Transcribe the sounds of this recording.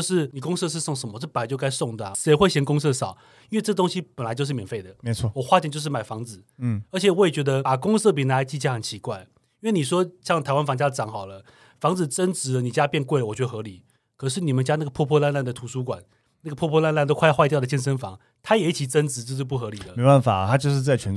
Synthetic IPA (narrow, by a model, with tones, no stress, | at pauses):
ʊʂɻ̩˥˩ni˨˩kʊ˥ŋsɤ˥˧ʂ̬ɻ̩˥˧so˥˩ŋʂə˧˥nmə˧ʈ͡ʂɤ˥˩pa˨˥ɪt͡ɕjka˥ɪsʊ˥˩ŋd̪ə˩˨˩ʂe˧˥ɪxwe˥˩ɪɕjɛ˧˥nkʊ˥ŋsɤ˥˩ʂɑ˨˩˦ʊ | i˥nwe˥˧ɪʈ͡ʂɤ˥˩t̪ʊ˥ŋɕi˦pə˨˩nla˧˦ɪt͡ɕo˥˧ʊʂɻ̩˥˩mjɛ˨˩nfe˥˩ɪd̪ə˩˦˥wɔ˨˩xwa˥˧t͡ɕjɛ˥˧t͡ɕjo˥˧ʂɻ̩˥˩ma˨˩ɪfɑ˧˥ŋt͡sɹ̩˨˩˦ə˧˥t͡ɕʰɛ˨˩wɔ˧˥jɛ˨˩t͡ɕɥɛ˧˥d̪ə˧a˨˩kʊ˥ŋsɤ˥˩p̬i˨˩na˧˥˧t͡ɕi˥˧t͡ɕʰja˥˩xə˨˩˦nt͡ɕʰi˧˥kwa˥˩ɪ | i˥nwe˥˩ɪni˨˩ʂ̬wɔ˥ɕjɑ˥˩ŋt̪ʰa˧ɪwa˥nfɑ˧˥ŋt͡ɕja˥˨ʈ͡ʂɑ˧˥ŋxɑ˨˩ʊlə˦ | fɑ˧˥ŋt͡sɹ̩˨˩ʈ͡ʂə˦˥nt͡sɻ̩˧˦ə˧ni˨˩t͡ɕja˦˥pjɛ˥˧nkwe˥˩ɪəwɔ˨t͡ɕɥɛ˧˥ə˧xɤ˧˥li˨˩˦ | kʰɤ˨˩ʂ̬ɻ̩˥˩ni˨˩mə˨˦nt͡ɕja˥na˥˩ɡə˩pʰwɔ˥˧pʰwɔ˥˧la˥˧nla˥˩nd̪ə˩t̪ʰu˨˧˥su˥kwa̰˨˩˦n | na˥˩ɡə˩pʰwɔ˥˧pʰwɔ˥˧la˥˧nla˥˧nt̪o˥ʊkʰwa˧xwa˥˧ɪjd̪ə˩ɕjɛ˥˧nʂ̬ə˥nfɑ̰˧˥ŋ | t̪ʰa˥jɛ˨˩i˥˩t͡ɕʰi˨˩ʈ͡ʂə˦˥nt͡sɻ̩˧˦ʈ͡ʂə˥˧ʂ̩˥˧pu˥˩xɤ˧˥li˨˩d̪ə˦me˦˥ɪpa˥˩nfa̰˨˩˦t̪ʰa˥t͡ɕjo˥˧ʊʂ̬ɻ̩˥˧t͡sa˥˩ɪt͡ɕʰɥɛ˧˥n